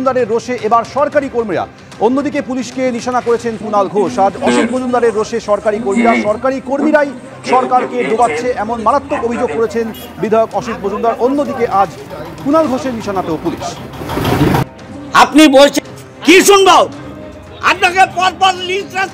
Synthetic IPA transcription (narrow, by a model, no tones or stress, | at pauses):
nd̪aɾeɾːoʃeʔebaɾʃɔɾkaɾikoɾmiɾa̰ | onːod̪ikepuliʃkeniʃanakoɾet͡ɕʰenkunalɡʱoʃad͡ʑɔʃit̪̚bod͡ʑund̪aɾeɾːoʃeʃɔɾkaɾikoɾmiɾaʃɔɾkaɾikoɾmiɾaj | ʃɔɾkaɾked̪obatːɕʰeʔɛmonmaɾat̪ːokobʱid͡ʑoɡ̚koɾet͡ɕʰen | bid̪ʱajokɔʃit̪bod͡ʑund̪aɾʔonːod̪ikeʔad͡ʑ | kunalɡʱoʃeɾniʃanat̪eopulḭʃ | apnibolt͡ɕʰ | kiʃunbao | apnakepɔɾpɔɾlisɾa